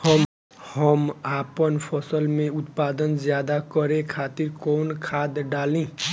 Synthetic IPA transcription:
hʌm | hʌmapʌnpʰʌsʌlmeut̪pad̪ʌnd͡zjad̪akʌɾekʰat̪iɾkownkʰad̪ɖalĩ

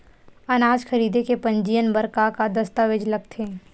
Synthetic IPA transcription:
ɐnaːd͡ʒxɐɾiːd̪ekepɐ̃ɲd͡ʒijənbəɾkakad̪ɐst̪aʋɪd͡ʒlɐɡt̪ʰeː

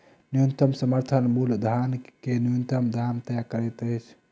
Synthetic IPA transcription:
nijunt̪əmsəməɾt̪ʰənbuld̪ʱankenijunt̪əmd̪ʱamt̪əjakəɾɛt̪əjt͡ʃʰ

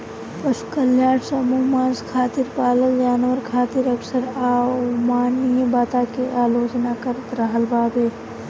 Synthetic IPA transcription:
pɐʃu̥kɐljaːɽsɐmuːmãːnskʰaːt̪iɾpaːləld͡ʒaːnʋəɾkʰaːt̪iɾɐksəɾaːmaːnibaːt̪akeʔaːloːt͡ʃnakɐɾt̪ɾɐɦəlbaːbeː

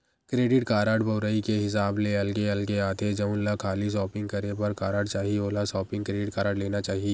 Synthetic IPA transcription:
kɾeːɖɪʈkaːɾaːɖbʱɐːɾaːikeɦɪs̬aːbleɐlɡeɐlɡeaːt̪ed͡ʒɐʊ̃nlakʰaːlis̬ɔːpɪ̃ŋɡ̚kɐɾepɐɾkaːɾaːɖt͡ʃaːɦieoːlasɔːpɪ̃ŋɡkɾeːɖɪʈkaːɾaːɖleːnat͡ʃaːɦieː

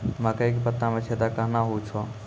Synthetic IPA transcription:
mə̃kəik̬pət̪ːamẽt͡ʃʰed̪akəɦnaɦot͡ʃʰɔ

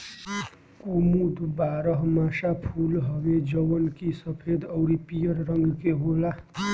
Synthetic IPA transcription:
komud̪ʱbaɾʌɦmasapʰulɦʌbed͡ʒʌwʌnkisʌpʰed̪ʌwɾipijʌɾɾʌŋɡkeɦola

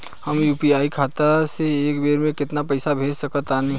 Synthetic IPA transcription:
həmjuːpiaːikʰaːt̪aseːkbeːɾmẽkɪt̪napəɪsabʱeːd͡ʒsəkət̪aːni

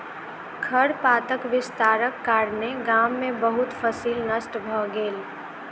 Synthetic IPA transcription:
kʰəɾpaːt̪əkʋɪst̪aːɾəkːaːɾneɡaːmːẽbəɦʊt̪fəsiːlnəsʈbʱɔːɡeːl

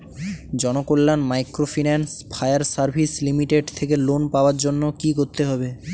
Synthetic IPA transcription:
d͡ʑɔnokolːanmajkɾofʰinanspʰajaɾsaɾbʱislimiʈeɖt̪ʰekelonpaoaɾd͡ʑonːokikoɾt̪eɦɔbe

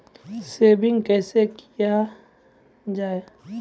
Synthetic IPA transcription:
sebɪ̃ŋɡkɛːsekija | d͡ʒaːe

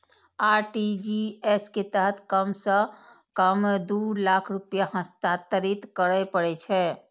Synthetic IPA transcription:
aɾʈid͡ʒiesket̪əɦət̪ʰkəmsə̃ | kəmd̪uɾlakʰɾupjaɦə̃st̪at̪əɾit̪kəɾəpəɽɛt͡ʃʰɛ

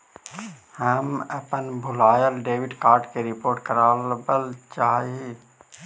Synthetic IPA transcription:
həməpənbʱʊlaːjəlɖeːʋɪɖkaːɾʈkeɾɪpoːɾʈ̚kəɾaːlbəlt͡ʃaːe

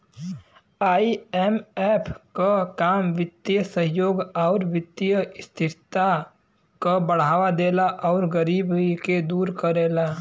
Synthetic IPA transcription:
aːiɛmɛːpʰkakaːmʋɪt̪ːijəsəɦjoːɡɔːɾʋɪt̪ːijəst̪ʰɪɾt̪a | kobəɽ̤aːwad̪eːlaʔɔːɾɡəɾiːbiked̪uːɾkəɾeːla

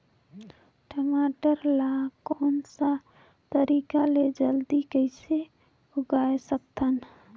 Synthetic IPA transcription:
ʈəmaʈəɾlakɔːnsa | t̪əɾikaled͡ʒəld̪ikəɪse | ʊɡaesək̚t̪ʰən

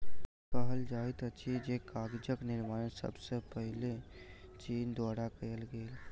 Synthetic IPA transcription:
pəɦəld͡ʒaːɪt̪ət͡ʃʰid͡ʒekaːɡd͡ʒəknɪɾmãːsə̰bsepəɦɪlet͡ʃiːnd̪waːɾakəjəlɡeːl

